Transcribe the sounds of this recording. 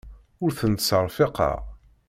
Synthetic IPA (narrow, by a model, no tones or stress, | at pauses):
ʊɾθənt̪səɾˤfɪqɑ̰